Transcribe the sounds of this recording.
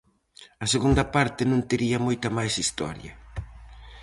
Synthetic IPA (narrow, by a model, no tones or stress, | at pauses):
ɐseɣund̪ɐpaɾt̪ɪnõnt̪eɾiɐmojt̪ɐmajsist̪ɔ̰ɾjɐ̰